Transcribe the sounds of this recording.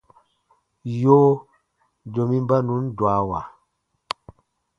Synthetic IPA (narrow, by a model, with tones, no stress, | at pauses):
joː˦ | d͡ʒo˨mi˦m˦ba˦nu˨˦ndwa˨˦wa˨